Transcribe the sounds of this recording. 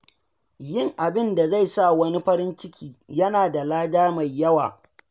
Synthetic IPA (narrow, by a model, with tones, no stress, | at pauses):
jɪ˦˨ŋʔa˨bɪ˦nda˨za˦˨jsa˦wɐ˦ni˦ɸɐ˦ɾɪ˦nt͡ʃɪ˦kʲiː˨jɐ˦naː˨da˨laː˦daː˦ma˨jːɐ˦wa̰ː˨